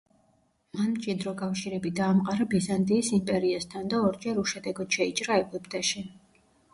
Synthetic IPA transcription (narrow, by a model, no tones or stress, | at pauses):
manmt͡ʃʼid̪ɾɔkʼafʃiɾɛbid̪aːmqʼaɾabizant̪ʼiːsimpʼɛɾiast̪ʰand̪aɔɾd͡ʒɛɾuʃɛd̪ɛɡɔd̪̥ʃɛit͡ʃʼɾaɛɡupʰʼt̪ʰʼaʃi